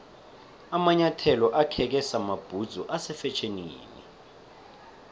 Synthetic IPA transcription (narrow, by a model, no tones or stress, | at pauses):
amaɲatʰɛlɔʔakʰɛk̬ɛsamab̥ʱud̥z̥ʱɔʔasɛfɛt͡ʃʰenḭːnɛ̰